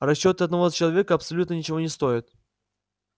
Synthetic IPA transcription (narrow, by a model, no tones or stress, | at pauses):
rɐɕːot̪əɐd̪nɐvozət͡ɕɪlˠɐvʲekəɐpsɐlʲut̪nənʲɪt͡ɕɪvonʲɪst̪o̞jɪt̪̚